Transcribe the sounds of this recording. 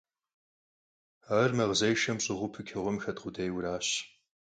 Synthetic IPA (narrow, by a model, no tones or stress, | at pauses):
aːrmɐʁzɐjʃɐmɕʼɪʁʷʊpʰɨkʲʰɪʁʷʊmxɐtqʷʊdɐjwʊɾaːɕ